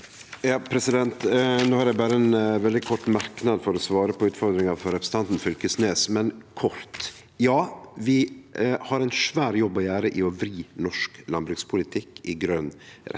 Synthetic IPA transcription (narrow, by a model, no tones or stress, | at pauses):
jɑːpʰɾɛsɪd̪ɛnt̪noːhɑɾjæɪbɑːɾəɛnʋɛld̪ɪkʰɔʈːmɑɾknɑd̪fɔɾɔsʋɑːɾəpʰɔʉːt̪fɔɾd̪ɾɪŋɑfɔɾɛpɾəs̩n̩t̪ɑnt̪n̩fʏlkəsneːsmɛnkʰɔɾt̪ | jɑːʋɪhɑɾɛɪnʂʋæːɾjɔbːɔjæːɾəʔɪɔʋɾiːnɔʂklɑnbɾʉkspʰʊlɪt̪ʰɪkːɪɡɾøːnɾɛ̰